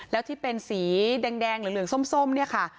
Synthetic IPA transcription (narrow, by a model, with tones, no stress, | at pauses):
lɛː˦˥wt̪ʰiː˥˩pe˧nsiː˩˦dɛː˧ŋdɛː˧ŋlɯː˩˦lɯ˨˩əŋso˥˩˨mso˥˩˨mni˥˩ɐkʰa˥˩